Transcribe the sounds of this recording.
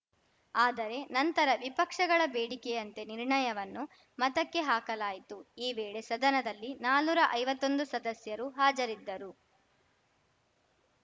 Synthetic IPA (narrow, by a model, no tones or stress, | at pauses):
aːd̪ɐɾe̞nɐnt̪ɐɾɐʋipɐkʂɐɡɐɭɐbeːɽikɛjɐnt̪e̞niɾɳɐjɐʋɐnːu | mɐt̪ɐkːe̞ɦaːkɐlaːjit̪uiːʋeːɭe̞sɐd̪ɐnɐd̪ɐlːinaːluːɾɐʔɐjʋɐt̪ːo̞nd̪usɐd̪ɐsjɐɾuɦaːd͡ʒɐɾid̪ːɐɾu